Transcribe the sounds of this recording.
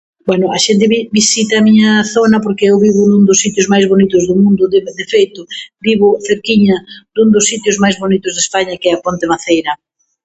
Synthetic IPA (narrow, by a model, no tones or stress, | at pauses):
bwɛnʊɐʃent̪̬ɪβibisit̪ɐːmiɲɐθonɐpoɾkɪewβiβʊnund̪ʊsːit̪jʊzmajzβonit̪ʊzðʊmũnd̪ʊded̪efejt̪ʊbiβʊθeɾkiɲɐd̪uŋd̪ʊsːit̪jʊzmajzβonit̪ʊzðespaɲɐkɛɐpont̪emaθejɾɐ